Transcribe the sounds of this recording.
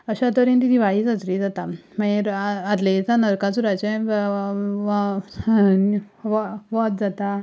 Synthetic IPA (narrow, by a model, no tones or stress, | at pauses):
əɕat̪əɾĩnt̪̬it̪ʰiʋaɦid͡zat͡sɾid͡zat̪amaiɾad̪let͡sanəɾkat͡suɾat͡ɕẽ | ʋʋɔt̪̚d͡zat̪a